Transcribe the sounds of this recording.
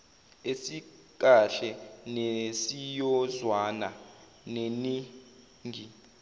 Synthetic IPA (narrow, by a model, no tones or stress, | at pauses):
esi | k̬aɬɛnesijɔzwana | neni | ŋɡʱi